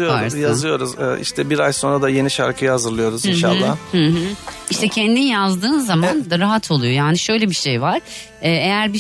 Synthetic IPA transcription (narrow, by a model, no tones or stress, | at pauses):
joajazɯjo̞ɾuzɛːʔḭʃt̪ʰɛbiɾajso̞nɾad̪ajeniʃa̰ɾkʰɯjɦazɯɾlˠɯjo̞ɾuzĩʃa̰ːlˠahɯhɯ | iʃt̪ʰɛcʰɛnd̪ijazd̪ɯːnzamand̪aɾaɦat̪ʰo̞lˠujo̞jaːniʃø̞jlʲɛbiʃejvaɾ̥ | ɛːejæɾbi